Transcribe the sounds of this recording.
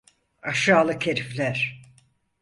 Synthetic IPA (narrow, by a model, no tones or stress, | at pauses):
aʃaːlˠɯcʰeɾiflʲæɾ̥